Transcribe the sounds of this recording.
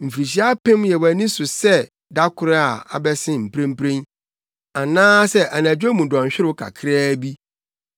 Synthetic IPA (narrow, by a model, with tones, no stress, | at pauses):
m̩˨fi˨ɾi˨ɕ̬i˨˦a˦pʰɪ̃˦m˦jɛ˨wæ˨nĩ˦sʊ˨sɛ˦˨ | da˦kʰʊ˦ɾa˨a̰˨bɛ˦sɪ̃˦m̩˨pʰɾẽ˦m˦pʰɾẽ˦n | a˨nãː˦sɛ˦ʔa˨nã˨d͡ʑᶣo˦mũ˨dɔ̃˨ɲ̩˨ɕᶣɪ˦ɾʊ˦kʰa̰˨kʰɪ˦ɾɛː˦bi˦